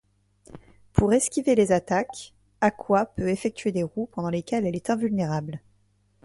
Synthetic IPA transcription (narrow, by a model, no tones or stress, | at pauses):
pʰuʁɛskʲivelezat̪ak | akʰwapøefɛk̚t̪ʰɥed̪eʁupɑ̃d̪ɑ̃lekʲɛlɛlɛt̪ɛ̃vylneʁabl